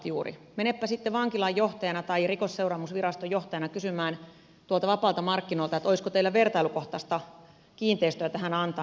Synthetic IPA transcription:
juːrḭmenepːæsit̪ːeʋɑŋkilɑjːoht̪ɑjɑnɑt̪ɑirikosseurɑːmusʋirɑst̪ojoht̪ɑjɑnɑkysymæːn | t̪uolt̪ɑʋɑpɑˑːlt̪ɑmɑrkːinolt̪ɑet̪oiskot̪eilːæʋert̪ɑilukoht̪ɑst̪ɑ | kiːnt̪eist̪øæt̪æhænɑnt̪ɑ

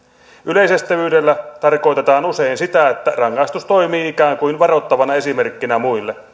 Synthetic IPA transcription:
ʔyleˑisest̪ːæʋyːdelːæt̪ɑrkoit̪et̪ɑːnuseinsit̪æet̪ːærɑŋːɑist̪ust̪o̞imiːikæːŋkuinʋɑrot̪ːɑʋɑnɑe̞simerkːinæmuilːe

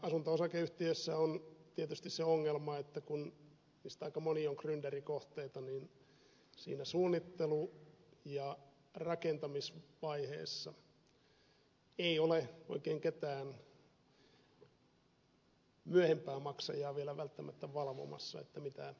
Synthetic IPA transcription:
ɑsunt̪oosɑkeyht̪iøsːæont̪iet̪yst̪isseoŋːelmɑet̪ːækun | niːst̪ɑikɑmonioŋkrynderikoht̪eit̪ɑnin | sḭːnæsuːnːit̪ːelujɑ | rɑkent̪ɑmisʋɑihḛːsːɑ | eioleo̰ikeːŋket̪æːn | myæhempæːmɑksɑ̰jɑːʋielæʋælt̪ːæmʔæt̪ːæʋɑlʋo̰mɑ̰sːɑ̰ḛt̪ːæmit̪æ

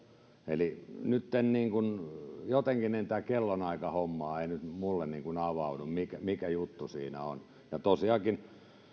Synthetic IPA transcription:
ḛlinyt̪ːenniːŋkunjot̪eŋkinent̪æːkelːonɑikɑhomːɑːeinyt̪mulːenniːŋkunɑʋɑunummikæmikæjut̪ːusḭːnæ̰o̰n | jɑt̪osiɑkin

